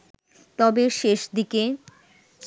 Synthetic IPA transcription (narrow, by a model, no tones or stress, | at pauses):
t̪ɔbeʃeʃd̪ike